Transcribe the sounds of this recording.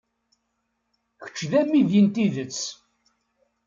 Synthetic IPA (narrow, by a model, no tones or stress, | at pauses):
çə̥t͡ʃːðæmːiðjənt̪iðət͡sː